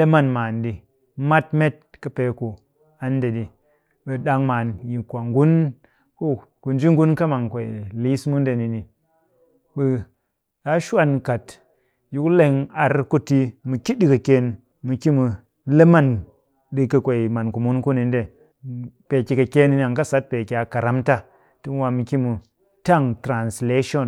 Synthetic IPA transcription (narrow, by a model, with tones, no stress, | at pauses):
le˦ma˦˨nmaː˨ndi˨ | ma˦tme˦t̚kɐ˦pe˨˦ku˨ | a˨n˦de˨di˨ | ɓe˨ɗa˧ŋmaː˨nji˨kʷa˨ŋɡu˦n | ku˦ | ku˨nd͡ʒi˦ŋɡu˦nka˦ma˨ŋkʷe˨ḭ˨li˦smu˦n˦de˨ni˨ni˨ | ɓə˧ | a˨˦ʃu˦a˨nka˨t | ju˨˦kle˧ŋa˨ɾku˦ti˦mɨ˨ki˦ɗi˦kə˨ke˧n | mɨ˨ki˦mu˧ | le˦ma˦˨n | ɗi˧kɐ˨kʷe˨i˨ma˨nku˨mu˦nku˦ni˧nde˦ | pe˨ki˧ka˨ke˦ni˧n˧˨a˨ŋka˦sa˨˦t̚pe˨ki˨a˨ka˨ɾa˦mta˦ | ti˦m˦wa˧mɨ˨ki˦mu˨ | ta˦˨ŋtɾa˨nsle˦ʃo˦˨n